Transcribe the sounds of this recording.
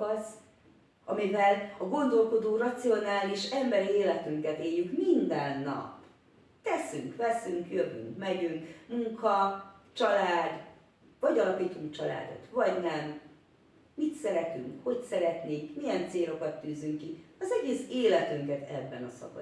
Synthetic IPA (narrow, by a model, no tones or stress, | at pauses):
ɒz | ɒmivɛlɒɡo̞nd̪o̞lko̞d̪oːrɒt̪sio̞naːliʃɛmbɛɾieːlɛt̪yŋkɛt̪eːjːykmind̪ɛnːɒ̰p | t̪ɛsyŋkʋɛsyŋkjøvy̰ŋkmɛɟyŋkmuŋkɒt͡ʃɒlaːd̪ | vɒɟɒlɒkiːt̪uŋkt͡ʃɒla̰ːd̪o̞̰t̪ʋɒɟnɛmː | it̪sɛɾɛt̪yŋkho̞csɛɾɛt̪neːkmijɛnt̪seːlo̞kɒt̪ːyːzyŋkːiɒzɛɟeːseːlɛt̪yŋkɛt̪ɛbːɛnɒsɒ̰kɒ̰